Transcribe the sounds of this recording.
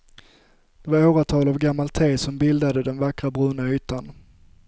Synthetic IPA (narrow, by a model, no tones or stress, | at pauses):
d̪̥ɛvaɾoːɾat̪ʰɑːlavɡamːalt̪ʰeːsɔmbɪld̪ad̪əd̪ɛnvakɾabɾʉːnayːt̪an